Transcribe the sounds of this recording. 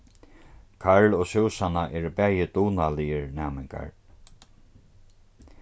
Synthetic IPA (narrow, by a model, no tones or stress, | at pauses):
kʰaɹlɔsɪwsanaʔɛːɾpɛːjɪt̪uːnalɪjɪɹnaːmɪŋka̰ɹ